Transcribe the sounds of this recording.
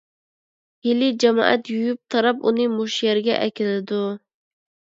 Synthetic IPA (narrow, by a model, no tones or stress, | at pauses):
hɪlɪd͡ʒamɑ̰ʔa̰t̪jujʊp̚t̪ʰɑɾɑpʊnɪmʊʃjaɾɡʲa̰ʔækʲɪlɪd̪ʊ